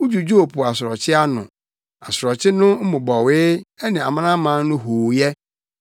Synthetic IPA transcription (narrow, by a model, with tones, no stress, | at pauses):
ʊ˦d͡ʑu˨d͡ʑu˦o˨pʰʊ˨a˨sʊ˨ɾɔ˨t͡ɕʰɪ˦a˦nʊ̰̃˨ | a˨sʊ˨ɾɔ˨t͡ɕʰɪ˦nʊ̃˦m̩˦mʊ̃˨bɔ˨wɪ˦ɛ˦nɪ̃˨a˨mã˦nã˦mã˨˦nʊ̃˦ɦuː˨jɛ˦